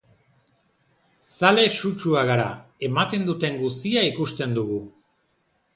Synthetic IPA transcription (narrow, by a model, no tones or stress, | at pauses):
sale̞sut͡ʃuaɣaɾa̰e̞mat̪e̞nd̪ut̪e̞ŋɡust̪iaikust̪e̞nd̪uɣu